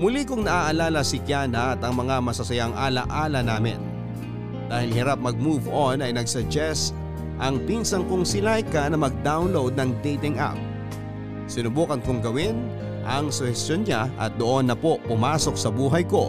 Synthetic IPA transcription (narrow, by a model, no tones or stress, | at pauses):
mʊlikʊŋnɐʔaːʔɐlaːlɐsɪkjaːnɐʔɐt̪ɐŋmɐŋamɐsɐsɐjaŋʔaːlɐ̰ʔaːlɐnaːmɪ̰n | d̪̥aːhɪlɦɪɾap̚mɐɡ̚muvonɐjnɐɡsɐd͡ʒɛs | ʔɐŋpinsɐŋkʊŋsɪlajkɐnɐmɐɡ̚d̪awnlowd̪̚nɐŋd̪ɛjt̪ɪŋʔa̰p̚ | sɪnʊbuːkɐnkʊŋɡɐwɪn | ʔɐŋsʊhɛst̪jonɲaʔɐ̰t̪̚d̪oʔo̞nːɐpo̞pʊmaːso̞k̚sɐbuːɦɐjko̞